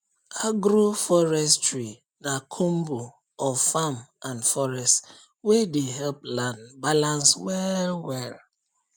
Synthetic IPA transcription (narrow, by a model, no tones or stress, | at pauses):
aɡɾufɔɾɛstɾi | nakʰumbu | ɔfamãnfɔɾɛst | wedeɦɛlplãndbalãnswɛlwɛl